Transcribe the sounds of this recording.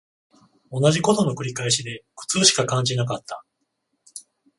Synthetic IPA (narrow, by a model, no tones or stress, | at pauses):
o̞naʑiko̞t̪o̞no̞kɯ̟ɾʲikaeɕid̪e̞kɯ̟̥t͡sɨːɕi̥kakãɲ̟d͡ʑinakat̪ːa